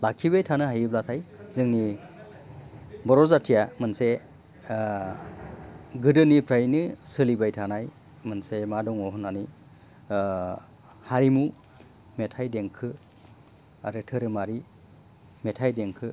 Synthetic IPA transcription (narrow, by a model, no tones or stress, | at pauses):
lakʰːiβajtʰanɯɦajɯblatʰajzɯŋni | bɔɾɔzatʰijamɯnse | ɡɯdɯnipʰɾajnɯsɯlibajtʰanaj | mɯnsemadɔŋɔɦɔnani | haɾimu | metʰajdeŋkʰɯ | aɾɯtʰɯɾɯmaɾi | metʰajdeŋkʰɯ